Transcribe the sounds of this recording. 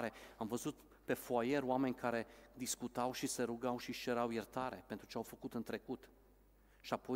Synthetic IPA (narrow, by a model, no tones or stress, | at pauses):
ɾe̞amvəzut̪ | pe̞foaje̞ɾoame̞nʲkaɾe̞d̪iskut̪awʃise̞ɾuɡawʃiʃeɾawjert̪aɾe̞pe̞nt̪ɾut͡ʃe̞awfəkut̪ɨnt̪ɾe̞kut̪ | ʃiapo̞